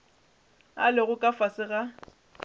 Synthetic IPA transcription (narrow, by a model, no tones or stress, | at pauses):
a̰lɪɣʊkʼafasɪɣa